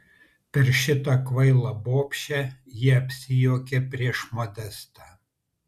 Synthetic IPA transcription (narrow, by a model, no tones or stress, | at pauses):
pʲɛɾʃʲɪt̪ɑkʋɐɪlˠɐboːpʲʃʲæjiɛɐpʲsʲɪjoːkʲepʲɾʲiɛʃmɔd̪ʲɛst̪ɑː